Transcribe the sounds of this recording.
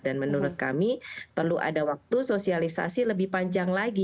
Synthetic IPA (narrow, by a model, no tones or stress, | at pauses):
danmənuɾʊt̪̚ka̰mipərluʔa̰dawak̚t̪usosialisa̰siləbɪhpaɲd͡ʒaŋlaɡi